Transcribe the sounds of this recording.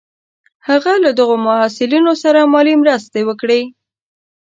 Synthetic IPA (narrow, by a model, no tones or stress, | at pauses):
haɣalad̪əɣomʊɦasɪlinosaɾamɑlimɾəst̪ewəkɽe